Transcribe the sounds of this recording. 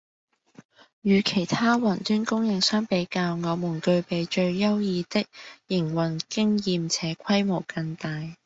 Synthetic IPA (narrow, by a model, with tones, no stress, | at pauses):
jyː˨˧kʰe˨˩jt̪ʰaː˥wɐ˨˩nt̪yː˥nkʊ˥ŋjɪ˨˧ŋsaː˥npe˨˥jkaː˧wŋɔː˨˧muː˨˩nkɵ˧ɥpe˨˧jt͡ʃɵ˧ɥjɐ˥wjiː˨˧t̪ɪ˥k̚jɪ˨˩ŋwɐ˨˩nkɪ˥ŋjiː˨mt͡sʰɛː˨˥kʰɐ˥jmo˨˩wkɐ˧ŋt̪aː˨j